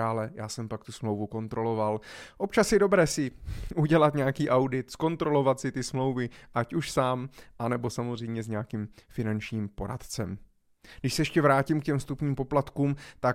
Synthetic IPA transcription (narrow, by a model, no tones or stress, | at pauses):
aːlɛjaːsɛmpak̚t̪usmlo̞wvuko̞nt̪ɾo̞lo̞valʔo̞p̚t͡ʃasjɪdo̞bɾɛːsɪʔuɟɛlat̪ɲɛakiːʔawdɪt̪sko̞nt̪ɾo̞lo̞vat̪sɪt̪ɪsmlo̞wvɪʔacuʃsaːmʔanɛbo̞samozrɛjmɲɛzɲɛakimfɪnant͡ʃɲiːmpo̞ɾa̰t̪t͡sɛm | ɡdɪʃsɛjɛʃcɛvɾaːcimkcɛmst̪upɲiːmpo̞plat̪kuːmt̪a